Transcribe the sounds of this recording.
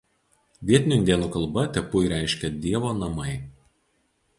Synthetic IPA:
ʋʲiɛt̪ʲnʲʊɪnʲd̪ʲiɛnuːkɐlˠˑbɐt̪ʲɛpʊiɾʲæˑɪʃʲkʲɛd̪ʲiɛʋoːnɐmɐɪ

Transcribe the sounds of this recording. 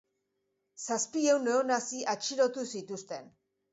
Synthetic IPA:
saspie̞wneonasiʔat͡ʃiɾo̞t̪usit̪ust̪e̞n

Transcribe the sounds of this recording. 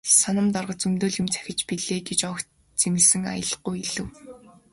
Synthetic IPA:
sanə̆mt̪ɔrʁə̆t͡sɵmt̪oːɮjɪ̆mt͡sʰæ̥xʲɪ̆t͡ɕpiɮeːɡet͡ɕɔk | t͡semɡɘ̆ɮsɘ̆ŋa̰jə̆ɮ̆χujiɮɘ̆w

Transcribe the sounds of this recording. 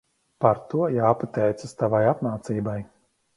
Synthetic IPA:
paɾt̪uɔjaːpat̪ɛjt̪sast̪avajapmaːt̪siːbaj

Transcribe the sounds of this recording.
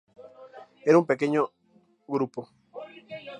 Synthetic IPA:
eɾumpekeɲo | ɣɾupo

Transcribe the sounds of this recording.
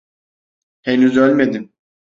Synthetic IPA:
henyzø̞lʲme̞d̪im

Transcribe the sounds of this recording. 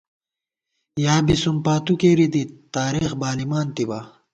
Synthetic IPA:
jaːbisumpaːt̪ukeːɾid̪it̪aːɾiːxbaːlimaːnt̪iba

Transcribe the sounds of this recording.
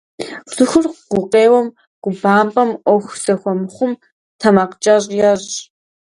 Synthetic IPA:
sɨxʷʊrqqʷʊqeːwɔm | ɡʷʊbaːmpʼɐmʔʷɔxʷsɐxʷɔmχʷʊm | tʰɐmaqt͡ʃʼɐʑʼjɛɕ

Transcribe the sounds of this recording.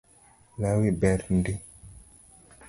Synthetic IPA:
lawibɛɾndi

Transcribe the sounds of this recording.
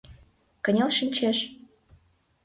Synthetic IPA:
kə̆nʲelʃinʲt͡ɕeʃ

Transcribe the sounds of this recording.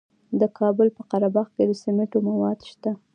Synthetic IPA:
d̪əkʰɑbəlpəqaɾabɑɣked̪əsemeʈomawɑd̪ʃt̪a

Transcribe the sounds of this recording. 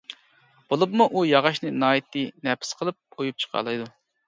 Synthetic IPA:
b̥olˠɨpmuʔujɑʁɑʃnɨnɑːjit̪ʰːɨnɛpʰɪ̥sqʰəlˠɨp̚ʰojup̚t͡ʃʰə̥qʰɑ̰ːlˠɑjd̪u

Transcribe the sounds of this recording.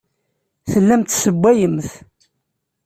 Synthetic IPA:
θəlːæmt̪səbːæjəmθ

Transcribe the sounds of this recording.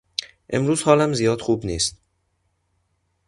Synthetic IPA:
ʔe̞mɾuːz̥hɒːlæmzijɒːd̪̥xuːbniːst̪̚

